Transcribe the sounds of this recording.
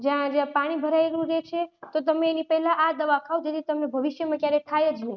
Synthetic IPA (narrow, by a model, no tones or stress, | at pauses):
d͡ʒjãd͡ʒãpaɽ̃ibʱəɾajelũɾet͡ʃʰet̪ot̪əmeːnipəɦɛlãʔad̪əʋakʰaud͡ʒet̪ʰit̪əmnebʱəʋiʃjəmãkjaɾek̪ʰajed͡ʒne